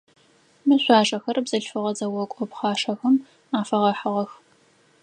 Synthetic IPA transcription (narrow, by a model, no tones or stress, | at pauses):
mɨɕʷɑːʂʼɐxɐrbzɐɬfɨʁɐzɐwɔkʷʼɔpχɑːʂɐxɐm | aːfɐʁɐħəʁɐx